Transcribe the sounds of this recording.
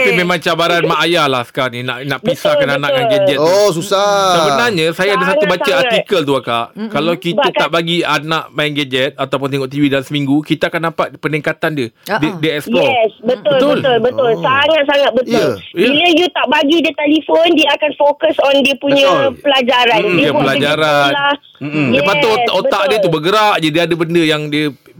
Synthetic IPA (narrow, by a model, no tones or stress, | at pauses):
apimẽmãŋt͡ʃabaɾanmaʔajahlahsə̥kaɾanina̰ʔnaʔbisakananaʔaŋɡed͡ʒɛt̪osusasəbənaɲasajaadəsaubasəat̪ikəlt̪uakaʔkalawkib̪aaʔbaɡianaʔmaŋɡed͡ʒɛt̪̚at̪awpʊnt̪ɛŋɔʔt̪iwidalamsəmiŋɡukit̪aakandapat̪̚pəniŋkat̪andədədiəɛsjɔsbət̪ʊlt̪bəlt̪ʊlbəʊlsaŋat̪̚saŋat̪̚bət̪ʊiləjut̪aʔbaɡidət̪ɛlifondiəakanfokəsɔndiəpuɲəpəlad͡ʒaɾaniəppəlad͡ʒaaɾanla | dəɛpat̪oaʔotbəaʔdiət̪ubəɡəɾaʔd͡ʒadiadəbəndəjaŋdiə